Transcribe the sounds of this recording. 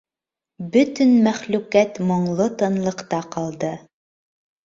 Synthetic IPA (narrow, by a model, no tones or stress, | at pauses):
bɵt̪ɵnmæχlʉkæt̪mŏɴlˠɤt̪ɤ̆nlˠɤ̆qt̪ɑqɑlˠd̪ɤ